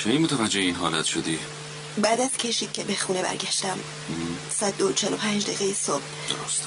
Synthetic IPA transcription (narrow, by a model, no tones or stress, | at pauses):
t͡ʃʰeimot̪ʰævæd͡ʒːeheinɦɒːlæt̪ʃod̪i | bæːd̪æz̥cʰe̞ʃi̥ːcʲʰebexuːnebæ̰ɾɡæʃt̪æm | sæd̪ːot͡ʃʰelopʰænd͡ʒd̪eɣejisob̥ | d̪o̰ɾost̪